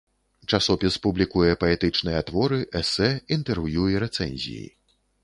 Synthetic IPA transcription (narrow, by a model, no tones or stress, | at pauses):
t͡ʂasɔpʲispublʲikujɛpɐɛt̪ɨt͡ʂnɨjɐt̪vɔɾɨʔɛsɛint̪ɛrvjuiɾɛt̪sɛ̰nʲzʲḭjḭ